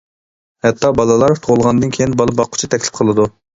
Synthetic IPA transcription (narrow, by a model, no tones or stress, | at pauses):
hɛt̪ːɑbɑlˠɑlˠɑɾt̪ʰoʁlˠʁɑnd̪ɨnkʲʰejinbɑlˠɨbɑqʰːʊ̥t͡ʃʰit̪ʰɛkʲlɪp̚qʰəlˠɨd̪u